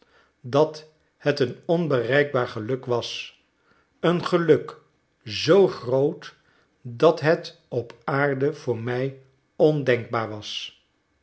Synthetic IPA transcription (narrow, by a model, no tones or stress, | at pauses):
dɑt | hɛtənɔnbərɛjɡ̚baːɹχəlɵkʋɑs | ənχəlɵk | zowχrowt | dɑtɦɛt | ɔpaːɹdəv̥ʊːɹmɛj | ɔndɛŋɡ̚baːɹʋɑs